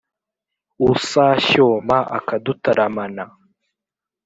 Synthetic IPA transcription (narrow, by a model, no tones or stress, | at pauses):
usaʃomaʔa̰kadutaɾamana